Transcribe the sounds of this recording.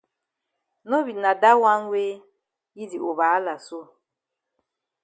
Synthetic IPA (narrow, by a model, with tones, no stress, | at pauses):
no˦βi˨na˨da˦wa˦n˦we˦ | ji˦di˨o˨βa˨a˦la˨so˦